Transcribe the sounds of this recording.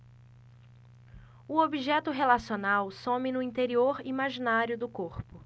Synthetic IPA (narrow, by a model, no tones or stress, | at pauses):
ʊobiʒɛt̪ʊɦelasionawsõmɪnʊĩnt̪eɾioɾimaʒinaɾjʊd̪ʊkoɾpʊ